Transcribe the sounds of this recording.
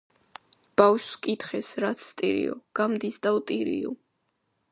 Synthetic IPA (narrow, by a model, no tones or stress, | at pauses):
b̥afʃskʼit̪χɛsɾat̪sʰːt̪ʼiɾḭɔ̰ɡ̥amd̪isd̪avt̪ʼiɾḭṵ